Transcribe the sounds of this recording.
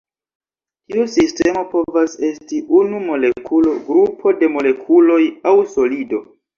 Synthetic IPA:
tiusiste̞mo̞po̞vase̞stiʔunumo̞le̞kʰulo̞ɡɾupʰo̞de̞mo̞le̞kʰulo̞jawso̞lido̞

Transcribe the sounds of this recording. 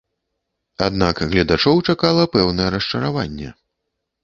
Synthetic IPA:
ad̪nakɣlʲɐd̪at͡ʂɔwt͡ʂakalˠɐpɛwnɐjɛɾɐʂt͡ʂɐɾavanʲːɛ̰

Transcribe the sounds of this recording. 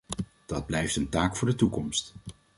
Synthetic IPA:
d̥ɑd̚blɛjftəntaːkfʊːɹdətukɔmst

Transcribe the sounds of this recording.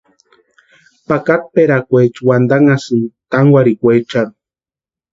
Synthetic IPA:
pakat̪̚peɾakʷet͡ʃwand̪aŋasɨt̪aŋwaɾikʷet͡ʃan

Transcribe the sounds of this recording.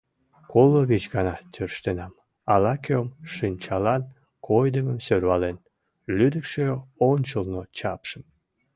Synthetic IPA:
koloβit͡ɕɡɑnɑt̪ʰørʃt̪enɑm | ɑlɑkømʃinʲt͡ɕɑlɑn | kʰojd̪əməmsørβɑlen | lyd̪əkʃeonʲt͡ɕəlnot͡ɕɑpʃəm

